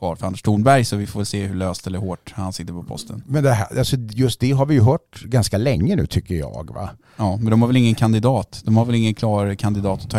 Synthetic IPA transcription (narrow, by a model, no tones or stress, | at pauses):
vɑːɾfœɾand̪əʂt̪ʰuːnbæɾjsɔvɪfoːvɛlseːhɵɭøːst̪ɛlːəɾhoːʈhansɪt̪ːəɾpʰɔpʰɔ̰st̪ʰə̰nmɛnd̪ɛɦæ̰alsɔjɵst̪̚d̪ɛɦaɾvɪjɵɦœːʈɡanskalɛŋːənʉ̟̰ːt̪ʰʏkːəɾjɑ̰ːɡva̰ | ɑːmɛnd̪ɔmhaɾvɛlɪŋːənkʰand̪ɪd̪ɑːt̪d̪̥ɔmhaɾvɛlɪŋːənkʰlɑːkʰand̪ɪd̪ɑːt̪ːɔ̥t̪ʰːɑ